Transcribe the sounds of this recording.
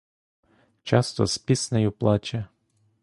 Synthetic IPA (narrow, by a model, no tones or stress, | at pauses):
t͡ʃɑst̪ɔ̰spʲisnɐjuplˠɑt͡ʃɐ